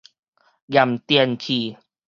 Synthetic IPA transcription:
ɡja˨mt̪i˧˨nkʰi˨˩

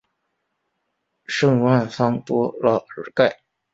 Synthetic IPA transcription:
ʂɤ˥˧ŋwa˥˩nfɑ˥ŋt̪wɔ˥lə˧˩ə˨˧˩ka˥˩ɪ

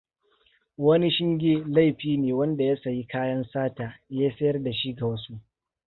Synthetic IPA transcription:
wɐ˦ni˦ʃɪ˦ŋɡʲeː˦la˦˨jɸiː˦neː˨wɐ˦nda˨jɐ˦sa˨ji˦kaː˦jɐ˦nsaː˦taː˨jaː˦sɐ˦jɐ˦rda˨ʃi˦ɡa˨wɐ˦su˦ʔ

